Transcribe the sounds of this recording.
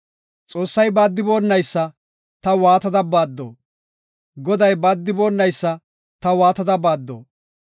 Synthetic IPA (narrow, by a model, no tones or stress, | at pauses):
t͡sʼo̞ːsːɐjbaːd̪ːɪbo̞ːnːɐjsːɐ | t̪ɐwaːt̪ɐd̪ɐbaːd̪ːo̰ː | ɡɔd̪ɐjbaːd̪ːɪbo̞ːnːɐjsːɐ | t̪ɐwaːt̪ɐd̪ɐbaːd̪ːo̰ː